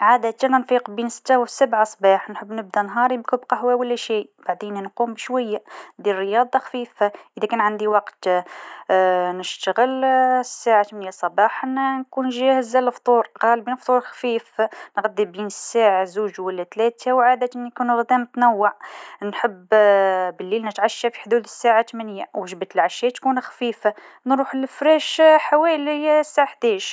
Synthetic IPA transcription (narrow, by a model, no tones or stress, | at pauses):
ʕad̪æt̪nænfiqbinsə̥t̪ːawəsabʕasˤbɑħnħəbːnəb̚d̪ænɦɑɾˤibkubqɑɦwæwəlːæʃib̥aʕd̪innqumbʃwæjːad̪irːəjɑd̪ˤɑxfiːfaʔʔəd̪ækænʕand̪iwɑqt̪ | nəʃt̪əɣəlsːaʕat̪mnjasˤɑbɑħnnkunʒæhəzæləft̪ˤuɾqɑlbinft̪ˤuɾxfifnɣæd̪ibiːnəsːaːʕazuːʒwælːæt̪læːt̪ʰawʕaːd̪æt̪ʔənːikuːnɣd̪æmt̪næwːaʕnħəb | bəlːiːlnət̪ʕaʃːafi̥ħd̪uːd̪əsːaʕat̪mænəjːawəʒəbət̪əlʕaʃːæːt̪kuːnxfiːfa | nɾuːħəlfɾæʃħawæljsːaʕaħd̪ɛːʃ